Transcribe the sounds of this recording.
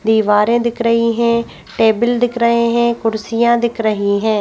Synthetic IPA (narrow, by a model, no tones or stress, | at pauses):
d̪iːʋaːɾẽːd̪ɪkʰɾəɦiːɦɛ̃ː | ʈeːbəld̪ɪkʰɾəɦẽːɦɛ̃ːkʊɾsijãːd̪ɪkʰɾəɦiːɦɛ̃ː